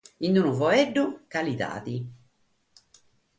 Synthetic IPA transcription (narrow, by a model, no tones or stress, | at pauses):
inːunuvɔeɖːukalit̪a̰ːt̪i